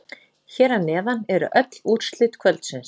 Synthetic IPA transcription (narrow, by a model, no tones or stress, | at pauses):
çɛːɾanːɛːðanɛɾʏ̰ʔœt̪luːt̪st̪lɪt̪kʰvœlt̪sɪns